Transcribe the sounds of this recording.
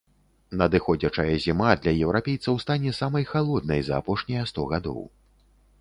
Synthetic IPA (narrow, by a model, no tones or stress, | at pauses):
nɐd̪ɨxɔd͡zʲɐt͡ʂɐjɐzʲimad̪lʲɐjɛwɾapʲejt̪sɐwst̪anʲɛsamɐjxalˠɔd̪̚nɐjzɐ̰ːpɔʂnʲɐjɐst̪ɔɣad̪ɔ̰w